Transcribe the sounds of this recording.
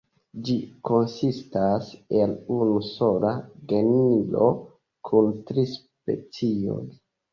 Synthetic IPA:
d͡ʒiko̞nsistase̞lunuso̞laɡe̞nilo̞ | kʰuntɾis | pe̞̰t͡sio̞̰j

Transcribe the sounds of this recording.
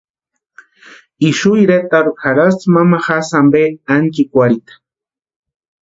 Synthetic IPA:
iʃujɾet̪aɾuxaɾast͡smamaxasambeaŋkikʷaɾit̪ḁ

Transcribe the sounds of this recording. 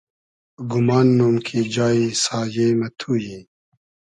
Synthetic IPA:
ɡumaːnːuːmkʰid͡ʑaːisaːjeːmet̪ʰuːji

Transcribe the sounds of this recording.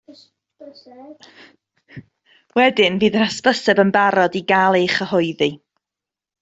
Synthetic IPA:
wɛdɪnviːðəɾaspəsɛbənbaɾɔdiɡaːlˠeχəhʊɨði

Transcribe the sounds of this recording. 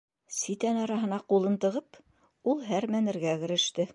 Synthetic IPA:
sit̪ænɑɾɑɦɤ̆nɑqulˠɤnt̪ɤ̆ʁɤp | ulˠɦæɾmænɘ̆ɾɡæɡɘ̆ɾɘ̆ʃt̪ɘ

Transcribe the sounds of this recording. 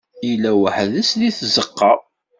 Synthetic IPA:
jlːæwəħðæsliθzəqːɑ

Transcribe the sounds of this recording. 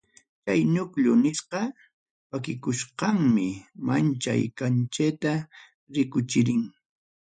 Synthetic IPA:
t͡ʃajnʊkʎʊnɪsqɑ | wakɪkʊʃqɑŋmɪmant͡ʃa̰jkant͡ʃet̪a | ɾɪkʊt͡ʃɪɾɪŋ

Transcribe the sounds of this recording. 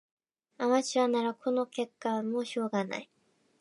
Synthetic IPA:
amat͡ɕiβanaɾakʰo̞no̞ke̞kːamoɕo̞ːɡana̰i

